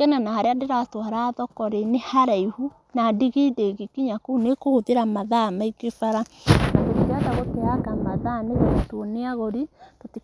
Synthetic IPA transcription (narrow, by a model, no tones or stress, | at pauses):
ɛnanahaɾeadeɾatwaɾaːðɔkɔɾenehaɾaihu | nadiɣideɣikiɲakuːnekohoðeɾamaðamaikefaɾanaɣekiɣataɣoteakamaðaneɣeotwoneaɣoɾitoti